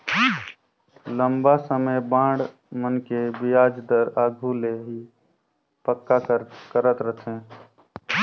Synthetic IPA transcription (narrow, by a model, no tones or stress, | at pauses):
ləmbasəməjbãːɖ | mənkebijaːd͡ʒd̪əɾaːɡʱuleɦi | pəkːakəkəɾət̪ɾət̪ʰẽː